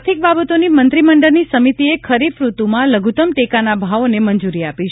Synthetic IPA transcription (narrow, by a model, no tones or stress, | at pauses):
t̪ʰik̚babət̪onimənt̪ɾiməɳɖəɾnisəmit̪iekʰəɾifɾut̪umãləɡʱut̪əmʈekanabʱaʋonemənd͡ʒuɾiapit͡ʃʰ